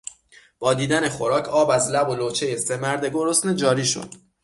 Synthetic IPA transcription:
b̥ɒːd̪iːd̪æneχo̞ɾɒːcʰɒːbæzlæbolot͡ʃʰe̞je̞semæɾd̪e̞ɡo̞ɾosned͡ʒɒːɾiːʃo̰d̪̥

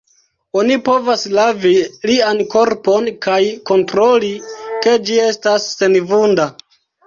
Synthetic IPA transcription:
onipo̞vaslavilianko̞ɾpo̞nkajko̞ntɾo̞like̞d͡ʒie̞stasːe̞nvunda

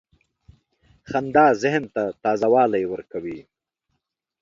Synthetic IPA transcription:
xand̪ɑːzɪhnt̪at̪ɑːzawɑːlajwəɾkawi

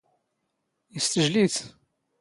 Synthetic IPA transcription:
jəst̪əʒliθ

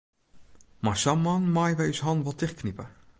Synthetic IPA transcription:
masamɑnmaːjʋɛjysɦɑnʋɔlˠtɪχknipə

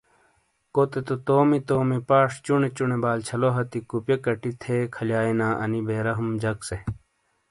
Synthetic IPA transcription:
kot̪et̪ot̪oːmit̪oːmipaːʂt͡ɕunet͡ɕunebaːlt͡ɕʰɐloɦɐt̪ikupjɐkɐʈit̪ʰeːkʰɐljaːenãːʔɐ̰nibeːɾɐɦumd͡ʑɐkse

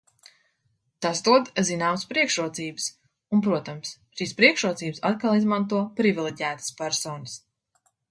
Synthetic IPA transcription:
t̪asd̪uɔd̪zinaːməspɾiɛkʃɾuɔt̪siːbɨ̥s | unpɾuɔt̪ams | ʃiːspɾiɛkʃɾuɔt̪siːbsat̪̚kalˠizmant̪̬uɔpɾivilˠɛɟæːt̪ɨ̥spæɾsɔːnɨs

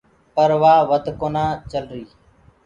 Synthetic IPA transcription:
pəɾʋaːʋəd̪ʱkoːnaːt͡ʃəlɾiː

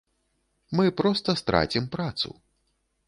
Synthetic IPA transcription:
mɨpɾɔst̪ɐst̪ɾa̰t͡sʲimpɾat̪sṵ

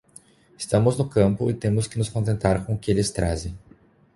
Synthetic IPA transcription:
ɪst̪ɐ̃mʊznʊkɐ̃mpʊɪt̪ẽmʊskɪnʊskõnt̪ẽnt̪aɾkõʊkɪelɪst̪ɾa̰zẽj̃

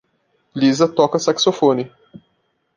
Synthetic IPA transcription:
lizɐt̪ɔkɐsaksofõnɪ

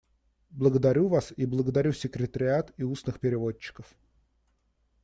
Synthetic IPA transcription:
blˠəɡəd̪ɐɾʲuvasiblˠəɡəd̪ɐɾʲusʲɪkɾʲɪt̪əɾʲɪat̪iusnɨxpʲɪɾʲɪvo̞t͡ɕːɪ̥kəf

